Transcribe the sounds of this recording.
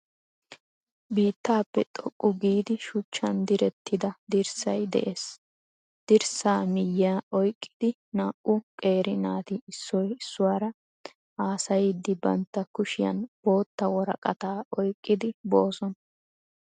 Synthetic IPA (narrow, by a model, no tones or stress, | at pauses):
biːt̪ːaːpːɛt̪ʼɔkʼːʊɡiːd̪ɪʃʊt͡ʃːɐnd̪ɪɾɛt̪ːɪd̪ɐd̪ɪɾsɐjd̪ɛ̰ʔe̞ːs | d̪̥ɪɾsaːmɪjːaːʔɔjkʼːɪ̥d̪ɪ | naːʔʊkʼe̞ːɾɪnaːt̪ɪɪsːɔjɪsːʊwaːɾɐ | ʔaːsɐjd̪ːɪbɐnt̪ːɐkʊʃɪjɐ̰nb̥o̞ːt̪ːɐwɔɾɐkʼɐt̪aːʔɔjkʼːɪd̪ɪbo̞ːsɔn